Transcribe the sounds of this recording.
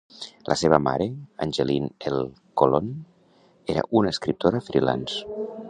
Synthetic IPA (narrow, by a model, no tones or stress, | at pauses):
lʔəseβəma̰ɾeənʲʒelinelˠ | kolon | eɾə̰ʔunəːskɾip̚t̪ʰoɾafɾila̰ns